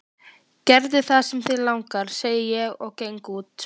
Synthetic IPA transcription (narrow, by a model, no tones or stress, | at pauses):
cɛɾðɪθaðsɛmθɪlawŋkaɾ̥seːjɪjɛɣɔɣcejŋkuːt̪